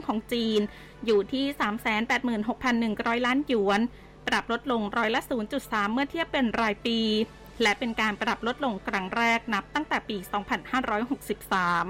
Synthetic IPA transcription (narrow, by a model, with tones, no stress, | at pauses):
ŋkʰɔː˩˦ŋt͡ɕiː˧n | juː˨˩t̪ʰiː˥˩saː˩˦msɛː˩˦npɛː˨˩t̪̚mɯː˨˩nɦo˨˩k̚pʰa˧nːɯ˨˩ŋɾɔː˦˥jlaː˦˥nju˩˦ən | pɾa˨˩p̚lo˦˥t̪̚lo˧ŋɾɔː˦˥jla˦˥ʔsuː˩˦nt͡ɕu˨˩t̪̚saː˩˦mːɯ˥˩ɐt̪ʰi˥˩əpːe˧nɾaː˧jpiː˧ | lɛ˦˥ʔpe˧nkaː˧npɾa˨˩p̚lo˦˥t̪̚lo˧ŋkʰɾa˦˥ŋɾɛː˥˩k̚na˦˥p̚t̪a˥˩ŋt̪ɛː˨˩piː˧sɔː˩˦ŋpʰa˧nhaː˥˩ɾɔː˦˥jɦo˨˩k̚si˨˩p̚saː˩˦m